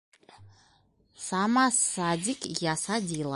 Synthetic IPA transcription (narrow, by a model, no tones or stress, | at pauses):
samasad̪ʲikjasad̪ʲilˠa